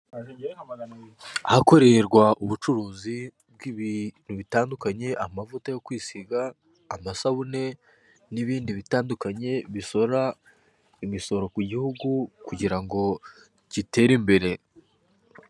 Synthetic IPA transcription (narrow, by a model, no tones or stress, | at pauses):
hako̞ɾe̞ɾɡwaʔuβut͡ʃuɾuːzi | b̚ɡiβin̥uβitaːndukaɲe̞ʔamavutajo̞kwiːsiɡaː | masaβune̞ | niβiːndiβitaːndukaɲe̞βiso̞ɾa | imiso̞ɾo̞kuɟihuɡukuɟiɾaŋɡo̞ | ɟite̞ːɾimbe̞ɾe̞